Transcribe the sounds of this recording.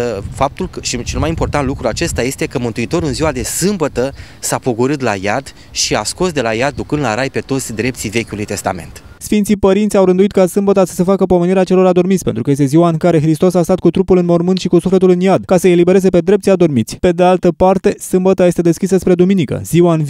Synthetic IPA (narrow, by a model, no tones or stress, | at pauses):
fap̚t̪ulkəʃit͡ʃe̞lmajimpo̞rt̪ant̪lukɾuat͡ʃe̞st̪aje̞st̪ekəmɨnt̪uit̪o̞ɾɨnziwad̪e̞sɨmbət̪ə | sapoɡuɾɨt̪la̰jad̪ | ʃiasko̞sd̪e̞lajad̪̚ːukɨnd̪laɾajpe̞t̪o̞t̪sʲd̪ɾe̞p̪̚sive̞kʲulujt̪e̞st̪a̰me̞̰nt̪ | sfint̪sipəɾint̪sʲawɾɨnd̪uit̪̚kasɨmbət̪asə̥se̞fakəpo̞meniɾeat͡ʃe̞lo̞ɾad̪o̞rmitsʲpe̞nt̪ɾukəjest̪eziwaɨŋkaɾe̞xɾist̪o̞sast̪at̪̚kut̪ɾupulɨnmo̞rmɨnt̪ʃikusufle̞t̪ulɨnjad̪kasəe̞libe̞ɾe̞ze̞pe̞d̪ɾept̪siad̪o̞rmit̪sʲpe̞d̪e̞alt̪əpart̪e̞sɨmbət̪aje̞st̪e̞d̪e̞skʲis̬əspɾe̞d̪uminikə̰z̥iwaɨnv